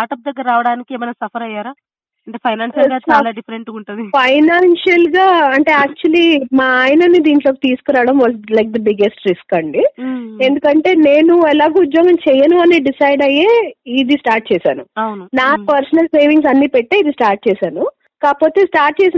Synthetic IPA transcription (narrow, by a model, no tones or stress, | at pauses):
sʈaːɾʈɐp̚d̪ɐɡːɐɾɐɾːaːʋɐɽaːnikieːmɐnɐsɐpʰɐɾɐjːaːɾaː | ɐɳʈeːpʰɐjnaːnʃɐlɡaːt͡ʃaːlaːɖipʰɐɾeɳʈuɳʈund̪ipʰɐjnaːnʃɐlɡaːɐɳʈe̞ːaːk̚t͡ʃuɐliːmaːaːjnɐnid̪iːɳʈloːki̥t̪iːsu̥kuɾaːʋɐɽɐmʋɔːlslɐjk̚d̪ɐbiɡe̞sʈɾiskɐɳɖiend̪ukɐɳʈe̞ːne̞ːnuɛlaːɡeud̪joːɡɐmt͡ʃɛjɐnuɐneːɖisɐjɖɐjeːid̪isʈaːɾʈ̚t͡ʃɛːsa̰ːnuɐwnunaːpɐɾsɐnɐlse̞ːʋiŋɡs̬ɐnːiːpeʈːeːid̪isʈaːɾʈ̚t͡ʃɛːsaːnu | kaːpo̞ːt̪e̞ːsʈaːɾʈ̚t͡ʃɛːsi